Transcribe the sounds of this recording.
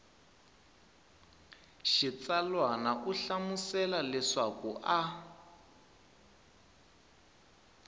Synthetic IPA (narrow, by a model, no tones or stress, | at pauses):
ʃit͡salwanaʔuɬamusɛlalɛʂakuʔa